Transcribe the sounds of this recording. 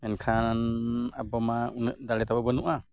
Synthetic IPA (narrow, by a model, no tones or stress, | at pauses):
ɛnkʰanabɔmaunəʔd̪alɛt̪abɔbɔnuʔa